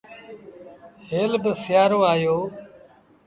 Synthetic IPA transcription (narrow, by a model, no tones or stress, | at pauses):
ɦeːlbɪsɪjaːɾõːaːjoː